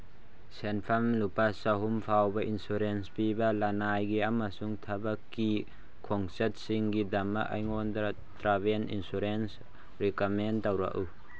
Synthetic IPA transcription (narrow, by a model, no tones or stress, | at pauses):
sɛnpʰɐmlupasɐɦumpʰawbɐʔinsuɾenspibɐlanajɡiamasuŋt̪ʰɐbɐkːi | kʰɔŋsɐt̚siŋɡid̪ɐma̰ʔɐ̰jŋɔnd̪a | t̪ɾabenḭnsuɾens | ɾikament̪ɐwɾa̰ʔu